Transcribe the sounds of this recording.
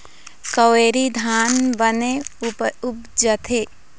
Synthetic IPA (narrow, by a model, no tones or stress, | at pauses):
kəʋeːɾid̪ʱaːnbəne | ʊp̚d͡ʒət̪ʰe